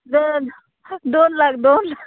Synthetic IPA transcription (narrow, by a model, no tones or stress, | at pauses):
d̪on | d̪onlakd̪oːnlak